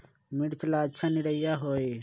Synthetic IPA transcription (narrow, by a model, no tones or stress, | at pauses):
miɽt͡ɕlaːt͡ɕʰɐniɾɐjaɦoːi